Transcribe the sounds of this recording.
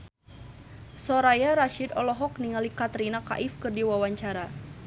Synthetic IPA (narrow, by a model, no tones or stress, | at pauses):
sɔɾajaɾaʃid̪ɔlɔɦɔk̚niŋalikat̪ɾinaka̰ʔɪfkɨrdiwawaɲt͡ʃaɾa